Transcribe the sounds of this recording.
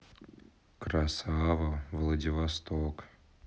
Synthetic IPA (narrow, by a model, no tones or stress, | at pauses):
kɾasavəvlˠədʲɪvɐst̪ok